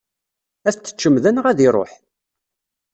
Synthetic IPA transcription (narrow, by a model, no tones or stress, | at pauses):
æθt͡s̪ːə̥t͡ʃːəmðænəʁæðiɾˤo̰ħ